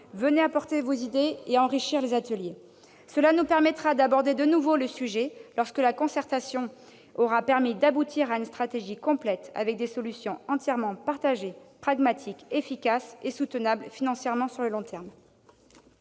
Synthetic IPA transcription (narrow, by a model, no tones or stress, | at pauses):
vəneapɔʁt̪evozid̪eeɑ̃ʁiʃiʁlezat̪əlje | səlanupɛʁmɛt̪χad̪abɔʁd̪ed̪ənuvoləsyʒɛlɔʁskəlakɔ̃sɛʁt̪asjɔ̃ | ɔʁapɛʁmid̪abut̪ʰiʁaynst̪χat̪eʒikɔ̃plɛt̪a̰vɛk̚d̪esɔlysjɔ̃ɑ̃t̪jɛʁmɑ̃paʁt̪aʒepχaɡmat̪ʰikefikʲasesut̪ənablfinɑ̃sjɛʁmɑ̃syʁləlɔ̃t̪ɛʁm